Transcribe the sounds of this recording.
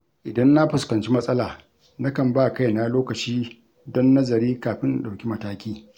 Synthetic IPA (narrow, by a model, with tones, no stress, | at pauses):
ʔɪ˨dɐ˦nːa˦ɸʊ˨skɐ˨nt͡ʃi˦mɐ˦sʼɐ˦laː˨ | na˦kɐ˨mbaː˦˨ka˦˨jna˦loː˦kɐ˨t͡ʃiː˦ | dɔ˦nːɐ˦zɐ˨ɾiː˦kaː˨ɸɪ˦nɗa˨wkʲi˦mɐ˦taː˦kʲiː˦